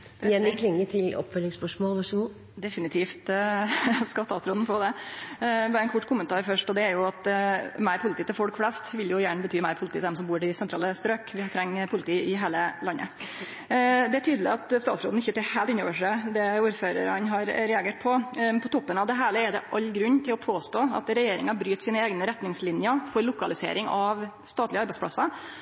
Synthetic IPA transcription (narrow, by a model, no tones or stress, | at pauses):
jɛnɪkʰlɪŋːət̪ʰɪlɔ̰pfœlːɪŋspœʂmoːlʋɑʂɡuː | d̪ɛfɪnɪt̪ʰiːft̪ | skɑst̪ɑːt̪sɾoːd̪n̩foːd̪ɛ | ʋɑːɾɛnkʰʊʈːkʰʊmənt̪ʰɑːɾfœʂʈɔd̪ɛæɾjʊɑt̪mæɪɾpʰʊlɪt̪iːt̪ʰɪlfɔlkflɛst̪ʋɪljʊjæːɳəbət̪ʰyːmæɪɾpʰʊlɪt̪iːt̪ɛd̪ɛmsɔmbuːɖɪsɛnt̪ɾɑ̰ːləst̪ɾøːkʋɪhɑt̪ʰɾɛŋːpʰʊlɪt̪ʰiːɪɦeːləlɑnːə̰ | d̪ɛæʈʰyːd̪lɪ̰ɑt̪st̪ɑːt̪sɾoːd̪n̩ɪçːət̪ɪheːlt̪ɪnːo̰ːʋəʂɛd̪ɛuːɾføːɾə̰ɾɑ̰nɦɑɾɾɛɑɡeːʈ̚pʰɔnpʰɔt̪ʰɔpːənɑʋd̪ɛɦæːɭəæɖɛ̰ʔɑʎːɡɾʉɲːt̪ʰɪlɔpʰoːst̪oːɑ̰t̪ɾɛjeːɾɪ̰ŋɑbɾyːt̪siːnəeːɡnəɾɛt̪nɪŋslɪnjəfɔɾlʊkɑlɪsḛːɾɪŋɑʋ | st̪ɑːt̪lɪəɑɾbæɪspʰlɑ̰sɑ